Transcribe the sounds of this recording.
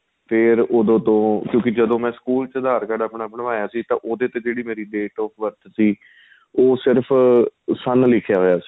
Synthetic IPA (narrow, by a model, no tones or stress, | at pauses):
pʰɪɾoːd̪õːt̪õːkjõːk̬ɪd͡ʒəd̪õːmɛ̃ːskuːlt͡ʃəd̪aːɾkaɖaːpɳaːpɳãaːjaːsiːt̪ã̰ːʔoːd̪eːt̪ẽːd͡ʒeːɽiːmeːɾiːɖeːʈɔːpʰʋəɾt̪ʰsiː | oːsɪɾpʰsənlɪkʰːjaːɦoːjaːsi̥ː